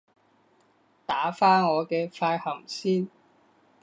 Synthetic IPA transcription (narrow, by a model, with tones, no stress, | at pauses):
t̪aː˨˥faː˥nŋɔː˨˧kɛː˧faː˧jhɐ˨˩msiː˥n